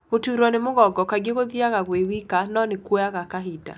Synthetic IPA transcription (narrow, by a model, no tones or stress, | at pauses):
ɣotuɾwɔnemoɣɔɡɔkaɡeɣoðiaɣaɣwewikanɔnekojaɣakaɦida̰